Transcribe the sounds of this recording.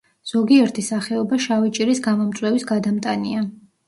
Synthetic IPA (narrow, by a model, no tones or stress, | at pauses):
z̥ɔɡiɛɾt̪ʰisaχɛɔbaʃavit͡ʃʼiɾisɡamɔmt̪sʼwɛvisɡad̪amt̪ʼania